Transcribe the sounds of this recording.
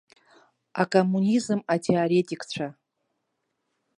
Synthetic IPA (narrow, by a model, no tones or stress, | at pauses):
akʼomːunʲizɨmatʰeaɾetʼikt͡ɕʷʰa